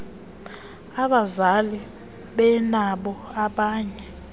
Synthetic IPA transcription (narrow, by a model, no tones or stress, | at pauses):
aɓazali | ɓɛnaɓɔaɓaːɲɛ